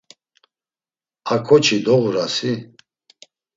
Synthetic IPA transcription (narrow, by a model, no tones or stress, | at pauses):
akʰɔt͡ʃʰid̪ɔʁuɾasi